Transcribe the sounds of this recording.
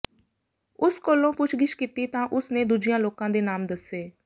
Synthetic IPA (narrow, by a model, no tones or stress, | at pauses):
ʊskoːlõːpʊt͡ʃʰɡɪʃkiːt̪iːt̪ãːʔʊsneːd̪ud͡ʒɪjãːloːkãːd̪eːnaːmd̪əseː